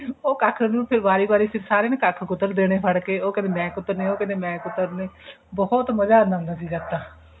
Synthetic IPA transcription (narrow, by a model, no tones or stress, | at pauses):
oːkaːkʰnũːpʰɪɾbaːɾiːbaːɾiːpʰɪɾsaːɾeːnãːkakʰkʊt̪ːəɾd̪eːɽ̃eːpʰəɽkeːoːkɛ̃neːmɛ̃ːkʊt̪ːəɾnẽːoːkɛ̃ːneːmɛ̃ːkʊt̪ːəɾneː | bɔːɔt̪məd͡ʒaːnd̪ãʊ̃nd̪aːs̬iːɾɛːt̪aː